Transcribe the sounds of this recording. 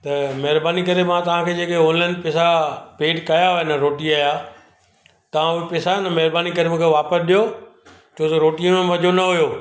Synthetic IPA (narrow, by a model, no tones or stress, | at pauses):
t̪ɐmɐɦɪɾbaːnikɐɾemãt̪ɐʋ̤ãkʰeːd͡ʑeːkeoːllə̃nɖpeːsapeːʈkɐjaɦnɐɾoːʈiaːja | t̪ɐʋ̤ãʊpeːsanɐmɐɦɾbaːnikɐɾemũːkʰeʋaːpəsɗijo | t͡ɕʰoːt̪ɐɾoːʈiə̃mẽmɐd͡ʑʱonɐɦʊjoː